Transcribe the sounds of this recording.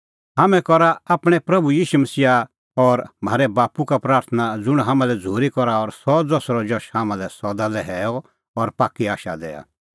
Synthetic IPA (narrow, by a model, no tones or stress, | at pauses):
ɦaːmɛ̃kɔɾaaːpɽ̃ɛpɾɐbujiːʃumɐsiːa | ɔɾm̤aːɾɛbaːpukapɾaːɾt̪ʰənad͡zʊɽ̃ɦaːmãlɛd͡zʱoːɾikɔɾaɔɾsɔd͡zɔsɾɔd͡ʒɔʃhaːmãlɛsɔd̪alɛɦɛːɔ | ɔɾpaːkːiaːʃa̰d̪ɛ̰ːa̰